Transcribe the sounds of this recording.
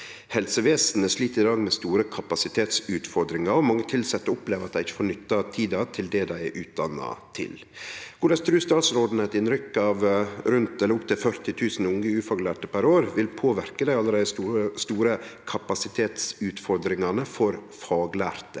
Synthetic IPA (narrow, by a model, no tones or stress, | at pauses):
hɛlsəʋeːsn̩æʂliːt̪ɪd̪ɑːɡmɛst̪uːɾəkʰɑpɑsɪt̪ʰeːt̪sʉːt̪fɔɾd̪ɾɪŋɑɾɔmɑŋːət̪ʰɪlsɛt̪ːɔʊpleːʋəɾɑt̪̚d̪æɪɪçːə̥foːɾnʏt̪ːɑt̪ʰiːd̪ɑt̪ʰɪld̪ɛd̪æɪʔʉːt̪̚d̪ɑnːɑ̰t̪ʰɪ̰l | ɡ̥ʊːɖɑst̪ʰɾʉːst̪ɑːt̪sɾoːd̪n̩əɛt̪ɪnɾʏkːɑːʋɾʉnt̪ɛlːəɾʊpt̪ʰɛfœɾt̪ɪt̪ʰʉːsn̩ʊŋəʉːfɑːɡlæːʈəpʰæɾoːɾʋɪlpʰoːʋæɾkəd̪æɪɑlːəɾæɪst̪uːɾəkʰɑpɑsɪt̪ʰeːt̪sʉːt̪fɔɾd̪ɾɪŋɑnəfɔɾ | fɑːɡlæːɾt̪ə